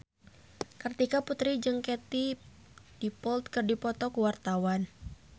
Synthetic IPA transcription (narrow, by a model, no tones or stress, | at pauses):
kərt̪ikaput̪ɾid͡ʒəŋket̪i | d̥ipɔlt̪̚kərdipɔt̪ɔkəwart̪awan